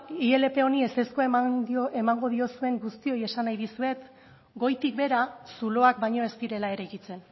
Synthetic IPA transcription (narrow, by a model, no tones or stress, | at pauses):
ie̞le̞pe̞o̞nie̞st̪e̞skoemaŋɡo̞ðio̞sue̞ŋɡust̪io̞je̞sanajðisue̞t̪ | ɡo̞jt̪ik̚be̞ɾasulo̞ak̚bajɲo̞e̞st̪iɾe̞lae̞ɾekit͡se̞n